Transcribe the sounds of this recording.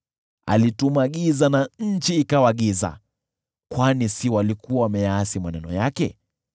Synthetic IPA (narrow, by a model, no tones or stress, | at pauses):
a̰litumaɠizanaɲ̩t͡ʃiːkawaɠiza̰ | kwanisiwalikuawamɛjaasimanɛnɔ̰jakɛ